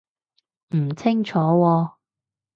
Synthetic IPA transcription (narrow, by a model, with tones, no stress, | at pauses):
m̩˨˩t͡sʰɪ˥ŋt͡ʃʰɔː˨˧˥wɔː˧